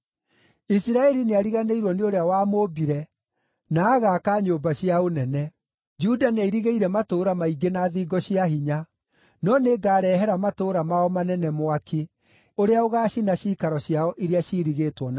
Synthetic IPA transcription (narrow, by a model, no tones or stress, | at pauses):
isiɾaɛɾineaɾiɣaneiɾwɔneoɾeawaːmoːbiɾɛ | naːɣaːkaɲoːbaɕiaonɛnɛ | d͡ʒudaneiɾiɣeiɾɛmatoːɾamaiɡenaðiːɡɔɕijaɦiɲa | nɔneːɡaːɾɛɦɛɾamatoɾamaɔmanɛnɛmoakʰi | oɾeaoɣaːɕinaɕiːkaɾɔɕjaɔʔiɾeaɕiɾiɣeːtwɔn